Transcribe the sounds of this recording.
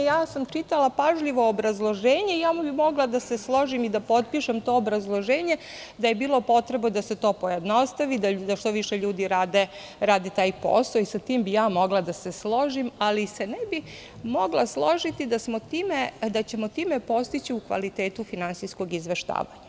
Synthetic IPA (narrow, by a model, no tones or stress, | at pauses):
jaːsamt͡ʃiːt̪alapaʒʎiʋo̞ːbɾazlˠo̞ʒeːɲe̞ijaːmubimo̞ɡlˠad̪aseslˠo̞ʒimid̪apo̞t̪̚piʃemt̪o̞ːobɾazlˠoʒeːɲe | d̪ajebiːlˠo̞po̞t̪ɾe̞bod̪ase̞t̪o̞ːpo̞jed̪no̞st̪aʋid̪ad̪aʃt̪o̞ʋiʃeʎuːd̪iɾaːd̪e | ɾaːd̪et̪aːjpo̰ːsaisat̪iːmbijaːmo̞ɡlˠad̪ase̞slˠo̞ʒimalise̞nebi | moɡlˠaslˠo̞ʒit̪id̪asmo̞t̪iːmed̪at͡ɕe̞mot̪iːmepo̞st̪it͡ɕiukʋa̰lit̪eːt̪ufinansijskoɡizʋeʃt̪a̰ːʋa̰ɲa